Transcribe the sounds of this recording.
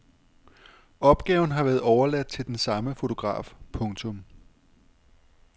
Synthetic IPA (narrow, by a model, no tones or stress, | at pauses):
ɒ̽b̥ɡ̥ɛːʊn̩ɦɑ̈ʋæːɐð̩ˠɒʊɐlæd̥̚t͡sʰe̝ld̥ensɑ̈məfo̝t͡sʰo̝ɡ̥ʁɑ̰̈ːfpʰɔ̽ŋt͡sʰɔ̽m